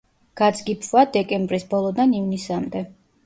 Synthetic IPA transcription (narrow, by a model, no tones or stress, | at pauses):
ɡ̥ad̪zɡipʰvad̪ɛkʼɛmbɾisbɔlˠɔd̪anivnisamd̪ɛ